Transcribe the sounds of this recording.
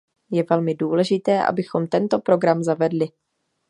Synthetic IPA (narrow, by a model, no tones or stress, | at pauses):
jɛvɛlmɪduːlɛʒɪt̪ɛːʔa̰bɪxo̞mt̪ɛnt̪o̞pɾo̞ɡɾamzavɛdlɪ